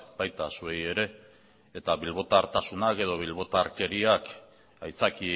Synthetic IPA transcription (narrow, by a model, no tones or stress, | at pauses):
b̥ajt̪asue̞je̞ɾe̞ː | t̪aβilβo̞t̪aːɾt̪asunake̞ð̞o̞β̞ilβ̞o̞t̪aːɾke̞ɾiak | ajt͡saki